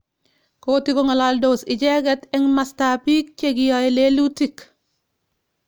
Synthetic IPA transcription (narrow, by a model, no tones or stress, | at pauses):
koːtiɡoŋalaldosiɟeɡetɛŋmastaːpiːk̚t͡ʃeɡijajelelutik